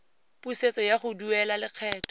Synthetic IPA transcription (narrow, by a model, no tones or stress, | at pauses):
puset͡sɔjaχʊduɛlalɪq͡χʰɛːt